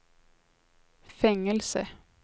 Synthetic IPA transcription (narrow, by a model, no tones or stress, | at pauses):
fɛŋːəlsə